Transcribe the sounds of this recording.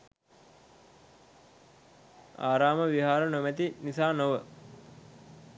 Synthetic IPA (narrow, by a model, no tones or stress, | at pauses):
aːɾaːməʋiɦaːɾənomæt̪inisaːnoʋə